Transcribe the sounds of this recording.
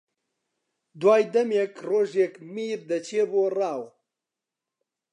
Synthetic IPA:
d̪waːjd̪ɐmekroːʒekmiːɾd̪ɐt͡ʃʰeːboːraːw

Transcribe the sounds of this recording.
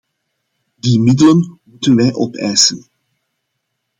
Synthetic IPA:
dimɪdələnmutənʋɛjʔɔpɛjsən

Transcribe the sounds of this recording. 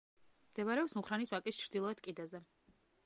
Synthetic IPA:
md̪ɛmaɾɛɔpsmuχɾaniswakʼist͡ʃʰɾd̪ilˠɔɛt̪kʼid̪azɛ

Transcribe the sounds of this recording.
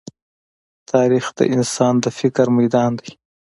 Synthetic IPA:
t̪ʰɑːɾixd̪ə̰ʔɪnsɑːnd̪əfɪkɾmajd̪ɑːnd̪aj

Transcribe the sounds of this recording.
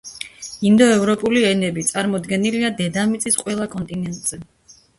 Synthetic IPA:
ind̪ɔɛvɾɔpʼuliɛnɛbit̪sʼaɾmɔd̪ɡɛniliad̪ɛd̪amit̪sʼisqʼwɛlˠakʼɔnt̪ʼinɛnt̪ʼz̥ɛ

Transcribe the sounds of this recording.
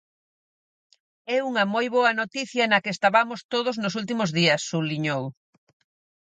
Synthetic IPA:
ɛuŋɐmojβoɐnot̪iθjɐnɐkeːst̪aβamost̪oð̞ʊznʊsult̪imʊzðiɐsːuliɲow

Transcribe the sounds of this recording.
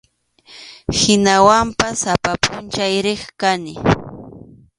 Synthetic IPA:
hɪnawampasapapʊnt͡ʃajɾɪχkanɪ

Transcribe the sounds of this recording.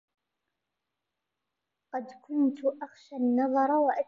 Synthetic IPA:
qɑd̪kʰʊnt̪ʰʊʔaχʃanːɑðˤɑɾˤɑwaʔa

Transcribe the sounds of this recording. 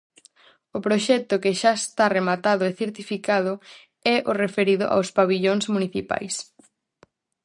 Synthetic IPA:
ʊpɾoʃɛk̚t̪ʊkɪʃaest̪aremat̪aðʊeθeɾt̪ifikað̞ʊ | ɛʔorefeɾiðʊ̰ʔa̰wspaβiʎoŋsmuniθipa̰js

